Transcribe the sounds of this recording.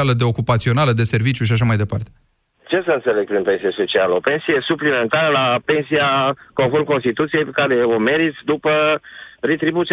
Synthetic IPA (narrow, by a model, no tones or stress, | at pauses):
aləd̪e̞o̞kupat̪sio̞naləd̪e̞se̞rvit͡ʃʲjuʃ̬iaʃ̬amajd̪e̞pa̰rt̪e | t͡ʃe̞səɨnt̪se̞le̞ɡ̚pɾinpe̞nsijeso̞t͡ʃialəo̞pe̞nsijesuplime̞nt̪aɾəlape̞nsiako̞nfo̞rmko̞nst̪it̪ut̪sijejpekaɾe̞ome̞ɾit̪sʲd̪upəret̪ɾibut̪